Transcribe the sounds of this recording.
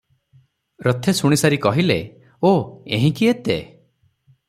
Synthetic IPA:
ɾɔt̪ʰesuɽ̃isaɾikɔɦile | oeɦĩkiet̪ḛ

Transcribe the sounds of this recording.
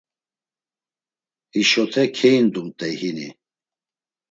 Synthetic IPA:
hiʃɔt̪ʰɛkʰɛjind̪umt̪ʼɛjhinḭ

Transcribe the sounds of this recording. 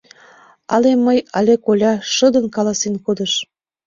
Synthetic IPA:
ɑlemːəjɑlʲekolʲɑʃəd̪ə̆nkɑlɑsenkod̪ə̆ʃ

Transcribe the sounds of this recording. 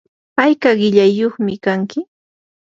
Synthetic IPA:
pajkaɢɪʎajːoχmɪkaŋkɪ

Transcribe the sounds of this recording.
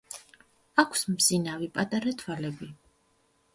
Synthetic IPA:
akʰsmzinavipʼat̪ʼaɾat̪ʰwalɛbi

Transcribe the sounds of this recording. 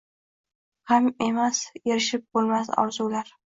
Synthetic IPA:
hame̞masjeɾɪʃɪp̚bolˠmasɒ̰wzuwlaɾ

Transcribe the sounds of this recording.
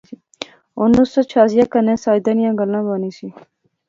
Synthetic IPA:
onusot͡ʃʰaːzijaːkənẽːsaːjd̪anijãːɡəlːãːbaːniːsiː

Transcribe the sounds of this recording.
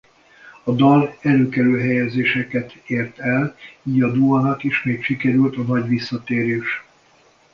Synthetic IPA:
ɒd̪ɒlɛɾøːkɛɾøːɦɛjɛzeːʃɛkɛt̪eːrt̪ɛliːɟɒd̪uɦɒnɒt̪eːʃmeːkʃikɛɾylt̪ɒnɒɟʋisːɒt̪eːɾeːʃ

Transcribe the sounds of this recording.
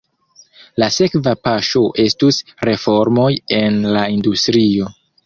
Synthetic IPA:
lase̞kvapaʃo̞ʔe̞stusɾe̞fo̞ɾmo̞je̞nlaindustɾio̞

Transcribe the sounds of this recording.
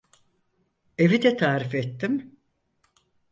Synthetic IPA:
e̞vid̪ɛt̪ʰaːɾifet̪ːim

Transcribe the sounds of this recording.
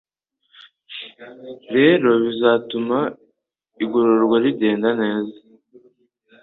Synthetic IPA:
ɾe̞ːɾo̞βizatuma | iɡoɾoɾɡwaɾide̞ːndane̞ːza

